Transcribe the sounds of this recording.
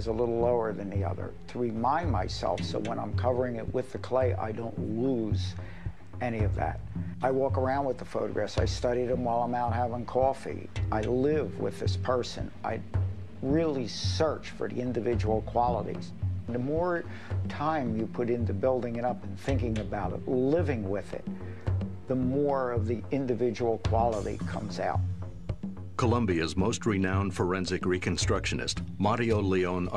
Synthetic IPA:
ɨzəlɪɾl̩ˠloʊə˞ðɨ̃nðiʌ̰ðə̰˞ɾʰəɹimãɪ̃nmaɪsɛ̰lˠfsoʊwə̃nãɪ̃mkʰʌvə˞ɪ̃ŋɪ̰ʔ̚wɨðɨkʰl̥eɪʔa̰ɪdõʊ̃nluz | ɛniʌvðæ̰ɾaɪwɔkə˞ãʊ̃nd̚wəðəfoʊɾɨ̰ɡɹæsaɪstʌɾiɾɨ̃mwaɪlˠãɪ̃maʊt̚hævɪ̃ŋkʰɔfḭʔaɪlɪvwɪ̰ðɪspʰɜ˞sɨ̰̃nʔa̰ɪ | ɹɪlˠisɜ˞t͡ʃfə̰˞ðḭɪ̃ndɨvɪd͡ʒəwl̩ˠkʰw̥ɑlˠəɾḭz̥n̩ðəmɔɹ | tʰãɪ̃mjɨpʰʊɾɪ̃ntɨbɪlˠdɪ̃ŋɨɾʌpn̩θɪ̃ŋkɪ̃ŋɨbaʊɾɨ̰tˡlɪvɪ̃ŋwɪðɪ̰t̪̚ | ðəmɔɹʌvðiɪ̃ndɨvɪd͡ʒəwl̩ˠkʰw̥ɑlˠəɾḭkʰʌ̰̃mza̰ʊt̚ | kʰəlʌ̃mbiɨzmoʊst̚ɹinãʊ̃nd̥fə˞ɛ̃nzɨkɹikʰɨ̃nstɹ̥ʌkʃɨnɨ̰stmɑɾioʊliõʊ̃n

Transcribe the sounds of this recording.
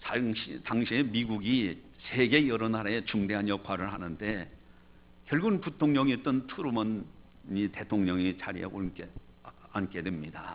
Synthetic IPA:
aɕitaŋɕʰiemiɡuɡi | se̞ɡe̞jʌɾʌnaɾae̞t͡ɕuŋde̞ɦanjʌkʰwaɾɯɭɦanɯnde̞ | kjʌɭɡunputʰoŋɲʌŋit͈ɯntʰuɾumʌn | ite̞tʰoŋɲʌŋit͡ɕaɾiḛʔoke | ank͈e̞dwemɲida

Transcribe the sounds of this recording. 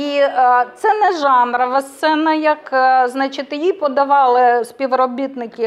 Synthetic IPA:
it̪sɛnɛʒɑnɾɐʋɐst̪sɛnɐjɐkznɑt͡ʃɪt̪jipɔd̪ɐʋɑlˠɪsʲpʲiʋrɔbʲit̪nɪkɪ

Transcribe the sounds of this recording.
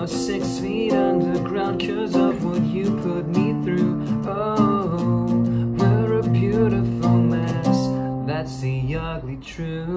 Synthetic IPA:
sɪksfiʌ̃ndə˞ɡɹãʊ̃nkʰɪ˞zʌvwʌt͡ʃɨpʰʊt̚miθɹʉ | o | wəɹɨbjʉɾəfol̩ˠmæsðætsðɨjɑɹdˡlitʰɹ̥ʉ

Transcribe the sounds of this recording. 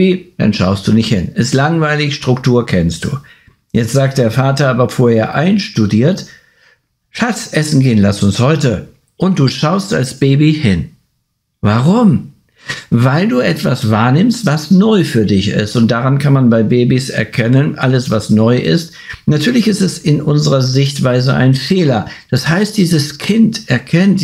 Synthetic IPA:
id̥a̰nʃa̰ʊst̚d̥uːnɪçthɪnɛstlaŋvaɪlɪçʃtʁ̥ʊktʰuːɐkʰɛnst̚d̥ṵː | jɛt͡stz̥aːk̚t̚d̥eːɐfaːtɐaːbɐfoːɐheːɐʔaɪnʃtudiːɐt | ʃat͡sʔɛsn̩ɡeːənlastʊnshɔʏtə | ʔʊnt̚d̥uːʃaʊsta̰lsb̥eːbihɪn | vaʁʊm | vaɪlduːʔɛtv̥a̰sv̥aːɐnɪmstv̥asnɔʏfyːɐdɪçɪ̰stʊnt̚d̥aʁankʰanmanbaɪbeːbisɛ̰ɐkʰɛnənʔaləsv̥asnɔʏʔɪ̰st | natʰyːɐlɪçɪstɛsɪnʔʊnzəʁɐzɪçtv̥aɪzəʔa̰ɪnfeːlɐd̥ashaɪst̚d̥iːzəskʰɪntɛɐkʰɛnt

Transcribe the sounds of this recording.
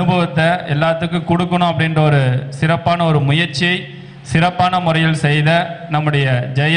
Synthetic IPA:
ɯbʱɐʋɐt̪ːɐɛlːaːt̪ːɯkːɯkʊɽɯkːɐɳʊ̃ɐpːɐɽɪndrɐɔɾɯsɪɾɐpːaːnɐɔɾɯmʊjɐɾt͡ʃːɪjɐɪ | sɪɾɐpːaːnɐmʊrɐjɪlsɛjðɐnɐmːɯɽɐjɐd͡ʒɐjɐ

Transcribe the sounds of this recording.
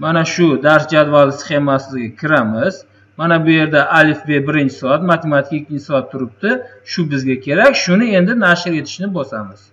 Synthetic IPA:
manaʃʊd̪aɾsd͡ʒad̪valɪsχe̞masɪzɡʲakʲʰɪɾamɪz̥ | manabʊje̞ɾd̪aʔalɪfbe̞bɪɾɪnt͡ʃʰɪ̥sɔat̪mat̪ʰe̞mat̪ʰɪ̥kʲɪkʲːɪnt͡ʃʰɪ̥sɔat̪ʰːʊɾɪp̚t̪ɪʃʊbɪzɡʲakʲʰe̞ɾakʲʃʊnɪe̞nd̪ɪnaʃɪɾe̞t̪ʰɪ̥ʃnɪbɒsamɪz̥

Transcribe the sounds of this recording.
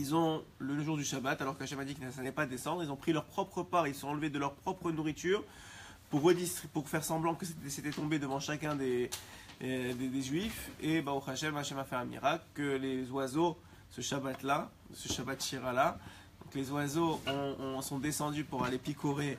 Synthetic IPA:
ilzɔ̃ləʒuʁd̪yʃabat̪alɔʁkaʃɛmad̪ikʲilnsalɛpad̪esɑ̃d̪ʁilzɔ̃pχilœʁpχɔpχəpaʁeilsɔ̃ɑ̃ləved̪əlœʁpχɔpχənuʁit̪yːʁ | puʁːəd̪ist̪χpuʁfɛʁsɑ̃blɑ̃kəseset̪ɛt̪ɔ̃bed̪əvɑ̃ʃakʲɛ̃d̪e | d̪ed̪eʒɥifebauχaʃɛmaʃɛmafɛɛ̃mḭʁaklkəlezwazo | səʃabat̪la | əsəʃabat̪ʃiʁala | d̪ɔ̃klezwazoɔ̃ɔ̃sɔ̃d̪esɑ̃d̪ypuʁalepikʰoʁe

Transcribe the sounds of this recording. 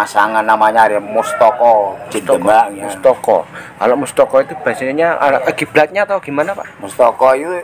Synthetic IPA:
masaŋanːamaɲaɾamɔst̪ɔkɔd͡ʒət̪əaɔst̪ɔkɔ̰ka̰lomɔst̪ɔkɔit̪ub̥a̤saɲaa̰ʔɡ̥ib̥lat̪̚ɲat̪aɡ̥imanapa̰mɔst̪ɔkɔit̪u

